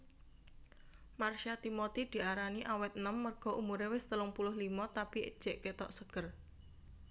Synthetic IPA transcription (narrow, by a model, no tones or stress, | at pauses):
marʃat̪imɔt̪id̪̥i̤aɾaniʔawɛt̪̚nəmːərɡ̥ɔ̤ʔumuɾewɪst̪əlʊŋpulʊhlimɔt̪apiə̰d̥ʒ̥e̤ʔket̪ɔʔsəɡ̥ər